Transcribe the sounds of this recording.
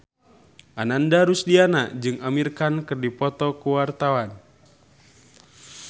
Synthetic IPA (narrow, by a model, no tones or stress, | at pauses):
ʔanandaɾusdianaʔd͡ʒɨŋamirkankɨrdipɔt̪ɔkuwart̪awan